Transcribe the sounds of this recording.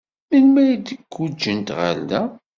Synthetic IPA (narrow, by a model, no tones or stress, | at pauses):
milmæjd̪əɡːud͡ʒːənt̪ʁa̰lːæ